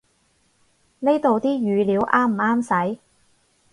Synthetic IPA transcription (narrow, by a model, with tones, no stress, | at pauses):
ne˥jt̪o˨wt̪iː˥jyː˨˧liː˨˥wʔaː˥m̩˨˩aː˥msɐ˨˥j